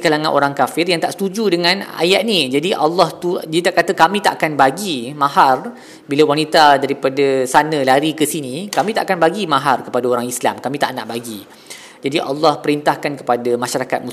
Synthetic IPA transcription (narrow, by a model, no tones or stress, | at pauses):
kalaŋãnʔo̰ɾaŋkafɪrjaŋt̪aʔsə̥t̪ud͡ʒudəŋãna̰jaʔ̚nid͡ʒadiʔalːɑht̪udiat̪aʔkat̪əkamĩt̪aʔakanbaɡimãɦar | bilawanit̪adaɾipadasanə̃laɾikəsinĩkamĩt̪aʔakanbaɡimãɦarkəpadaoɾaŋisla̰mkamĩt̪a̰ʔnaʔbaɡi | d͡ʒadiʔɑ̰lːɔhpəɾint̪ahkankə̥padamaʃaɾakat̪̚mu